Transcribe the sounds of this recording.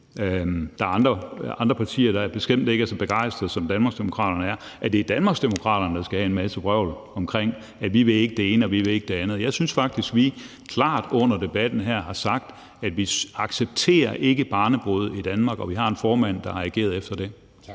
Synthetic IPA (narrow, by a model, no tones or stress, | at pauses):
d̥ɑ̈æɑ̈nd̥ʁɐɑ̈nd̥ʁɐpʰɑ̈t͡sʰḭːɐɾ̥ɑ̈æɐb̥e̝sem̰d̥e̝ɡ̥æsɒ̽b̥e̝ɡ̥ɑ̈ɪ̰sd̥ʁɐð̩ˠsɒ̽md̥ænmɑ̈ɡ̥sd̥e̝mo̝kʰʁɑ̰̈ːɾ̥ɐnəæɐʔæɐd̥ed̥ænmɑ̈ɡsd̥emo̝kʰʁɑ̰̈ːɾ̥ɐnəd̥ɑ̈sɡ̥æhæenmæsəb̥ʁœʊ̰lɒ̽mkʰʁeŋ̰ | ædʋiʋe̝le̝ɡ̥əd̥e̝e̝ːnəɒ̽ʋiʋe̝e̝ɡ̥əd̥e̝ænð̩ˠjɑ̈ɪsynsfɑ̈ɡ̥̚d̥isɡ̥ʋi | kʰlɑ̰̈ːd̥ɔ̽n̰ɐd̥e̝b̥æd̥n̩ɦæɐ̰ɦɑ̈sɑ̈ɡ̥̚d̥ | æd̥ʋiɑ̈ɡ̥seb̥̚t͡sʰe̝̰ːɐʔe̝ɡ̥əb̥ɑ̈ːnəb̥o̝ð̞̰ˠid̥ænmɑ̈ːɡ̥ɒ̽ʋiɦɑ̈e̝nfɒːmæn̰d̥ɑ̈hɑæɡ̥e̝̰ːɐð̞̩ˠefd̥ɐd̥e̝